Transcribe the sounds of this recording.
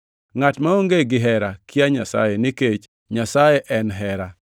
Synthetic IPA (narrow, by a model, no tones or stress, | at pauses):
ŋatmaoŋɡeɡɪɦɛɾakɪaɲa̰sa̰jenɪket͡ʃ | ɲasajeʔɛnɦɛɾa